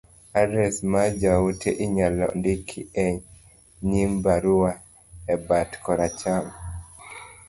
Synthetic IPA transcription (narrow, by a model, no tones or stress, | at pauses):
adɛsmad͡ʒautʰeʔiɲalɔ̰ndikʰiɛɲ | ɲimbaɾuwa | ɛbatkʰɔɾat͡ʃam